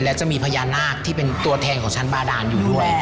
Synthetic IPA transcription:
lɛ˦˥wt͡ɕa˨˩ʔmiː˧pʰa˧jaː˧nːaː˥˩k̚t̪ʰiː˥˩pe˧nt̪u˧ɐt̪ʰɛː˧nkʰɔː˨˩˦ŋt͡ɕʰa˦˥nbaː˧˩daː˧njuː˨˩du˥˩əj

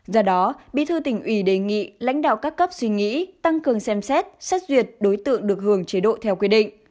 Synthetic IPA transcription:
zəː˨˧˩ɗɔ˨˦ɓḭ˧˨t̪ʰɨ˧t̪ï˧˩ŋ̟ʔwi˧˩ɗe˨˩ŋḭ˧˨la̰˧˥ŋ̟ɗa̰ː˧˨wkaː˦˥kːə˦˥p̚swi˧ŋḭ˧˥t̪a˧ŋkɨ˨˩əŋsɛ˧msɛ˦˥t̚sa˦˥k̚zwi˨˩ət̚ɗo˨˦jt̪ɨ̰˧˨əŋɗɨ˨˩ək̚hɨ˨˩əŋt͡ɕi˨˦ɗo̰˧˨t̪ʰɛ˧wkwi˧əɗḭ˧˨ŋ̟

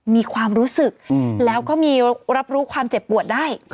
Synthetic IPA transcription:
miː˧kʰwaː˧mɾuː˦˥sɯ˨˩k̚lɛː˦˥wkɔː˥˩miː˧ɾa˦˥p̚ɾuː˦˥kʰwaː˧mt͡ɕe˨˩pːu˨˩ət̪̚daː˥˩j

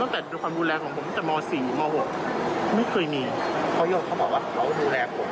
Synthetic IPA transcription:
t̪a˥˩ŋt̪ɛː˨˩˧kʰwaː˧mduː˧lɛː˧kʰɔː˩˦ŋpʰo˩˦m˥˩t͡ɕ̪ɛ˨˩mɔː˧siː˨˩˦mɔː˧ho˨˩k̚ma˥˩jkʰɤː˧jniː˧pʰɔ˧˦joː˧ŋkʰa˧˥˩bɔː˨˩waː˥˩˨aː˧˩˧duː˧lɛː˧pʰo˨˦m

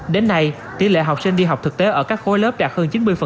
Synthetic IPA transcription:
ɗe˨˦nːa˧j | t̪i˨˧˦lḛ˧˨˦ɦa˨˩w̚k͡p̚sï˧ŋ̟ɗi˧ɦa˨˩w̚k͡p̚t̪ɨ˨˩k̚t̪e˨˦ʔəː˧˩kaː˦˥k̚xo˨˦jlə˦˥p̚t͡ɕaː˧˩k̚həː˧nt͡ɕi˨˦nmɨ˧əjfə˨˩

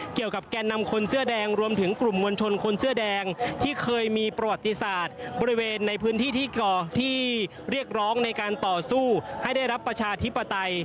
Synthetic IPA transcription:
ki˨˩əwka˨˩p̚kɛː˧nːa˧mkʰo˧nsɯ˥˩ɐdɛː˧ŋɾu˧əmt̪ʰɯ˩˦ŋklu˨˩mŋu˧nt͡ɕʰo˧nkʰo˧nsɯ˥˩ɐdɛː˧ŋt̪ʰiː˥˩kʰɤː˧jmiː˧pɾa˧wa˨˩t̪ːi˧saː˨˩t̪̚bɔː˧ɾi˦˥weː˧nːa˧jpʰɯː˦˥nt̪ʰiː˥˩t̪ʰiː˥˩kɔː˩t̪ʰiː˥˩ | ɾi˥˩ək̚ɾɔː˦˥ŋna˧jkaː˧nt̪ɔː˨˩suː˥˩ha˥˩jda˥˩jɾa˦˥pːɾa˧t͡ɕʰaː˧t̪ʰi˦˥pːa˧t̪a˧j

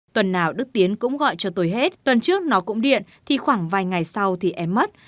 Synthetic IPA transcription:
t̪wə˨˩nːaː˨˩wɗɨ˦˥k̚t̪i˨˦ənkʊ̰˧˥ŋ͡mɣɔ̰˧˨jt͡ɕɔ˧t̪o˧jɦe˦˥t̚t̪wə˨˩nt͡ɕɨ˦˥ək̚nɔ˨˦kʊ̰˧˥ŋ͡mɗḭ˧˨ənt̪ʰi˨˩xwaː˧˩ŋvaː˨˩jŋa˨˩jsa˧wt̪ʰi˨˩ʔɛ˧mːə˦˥t̚

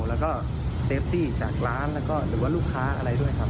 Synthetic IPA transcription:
wlɛ˦˥wkɔː˥˩ | seː˦˥p̚t̪iː˥˩t͡ɕaː˨˩k̚laː˦˥nlɛː˦˥wkɔː˥˩ɾɯː˩˦waː˥˩luː˥˩kʰːaː˦˥ʔa̰˧ɾa˧jdu˥˩əjkʰa˦˥p̚

